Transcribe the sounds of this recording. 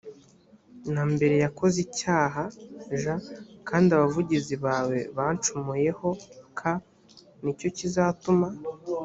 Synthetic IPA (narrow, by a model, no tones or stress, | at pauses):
nambe̞ɾe̞jakʰo̞zicaːɦaʒakʰaːndiaβavuɟiziβaːwe̞βaːnt͡ʃumuje̞ho̞kʰa | nico̞cizatuma